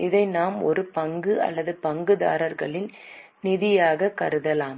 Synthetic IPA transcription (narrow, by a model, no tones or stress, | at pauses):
ɪðɐɪnaːmɔ̰ɾɯpɐŋɡɯɐ̰lːɐðɯpɐŋɡɯða̰ːɾɐɾɣɐɭɪn | nɪðɪjaːɣɐkɐɾɯðɐlaːm